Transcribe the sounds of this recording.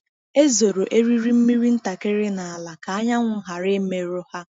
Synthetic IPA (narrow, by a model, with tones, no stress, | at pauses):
e˦zo˨ɾo˨ʔe˦ɾi˦ɾi˦m̩˦mi˦ɾi˦n̩˦ta˨ke˦ɾɪ˦na˨a˨la˨ka˨a˦ɲa˦ŋʷʊ˦˨ɦa˨ɾɪ˦me˨ɾo˦ha˦